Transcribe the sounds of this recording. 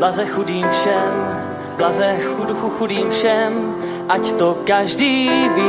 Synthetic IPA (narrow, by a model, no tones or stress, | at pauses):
lazɛxudiːmfʃɛm | blazɛxuduxuxudiːmfʃɛm | ʔact̪okaʒdiːbɪ